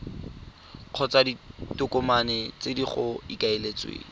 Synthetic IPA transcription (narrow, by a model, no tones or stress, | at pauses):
q͡χʰɔt͡saditʊkʊmanɛt͡sediχʊikaelet͡swḛːŋi